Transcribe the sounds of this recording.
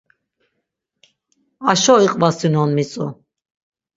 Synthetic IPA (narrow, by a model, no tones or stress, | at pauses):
aʃɔiqʼvasinɔnmit͡sʼṵ